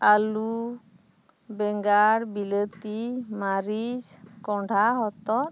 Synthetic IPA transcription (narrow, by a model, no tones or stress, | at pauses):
alu | beŋɡaɾbilet̪imaɾid͡ʒkɔɖʱaɦɔt̪ɔ